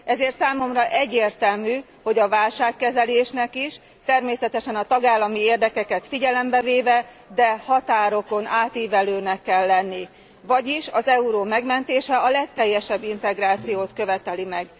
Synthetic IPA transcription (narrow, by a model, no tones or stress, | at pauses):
ʔɛzeːrt̪saːmo̞mrɒʔɛɟːeːrt̪ɛlmyː | ho̞ɟɒvaːlʃaːkːɛzɛleːʃnɛkiʃ | t̪ɛrmeːsɛt̪ɛʃɛnɒt̪ɒɡaːlːɒmieːrd̪ɛkɛkɛt̪fiɟɛlɛmbɛveːvɛ | d̪ɛhɒt̪aːɾo̞ko̞naːt̪iːvɛløːnɛkːɛlːɛnːi | vɒɟiʃɒzɛuɾoːmɛɡmɛnt̪eːʃɛɒlɛkt̪ɛjːɛʃɛbːint̪ɛɡraːt̪sijoːt̪køvɛt̪ɛlimɛɡ